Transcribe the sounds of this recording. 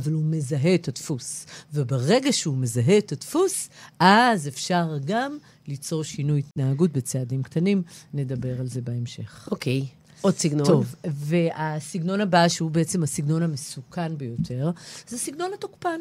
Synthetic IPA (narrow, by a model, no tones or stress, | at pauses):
avalume̞zaɦe̞ːtatfusvebeʁe̞ɡaʃeume̞zaɦe̞ːtatfusʔazefʃaʁɡam | lit͡so̞ʁʃinujitnaɦaɡut̚be̞t͡seadimktʰanimne̞dabe̞ʁalze̞beemʃe̞χʔokej | odsiɡnotovveʔasiɡno̞nabaʃeubeet͡se̞mhasiɡno̞namesukʰanbejo̞tʰe̞ʁzesiɡno̞natokpan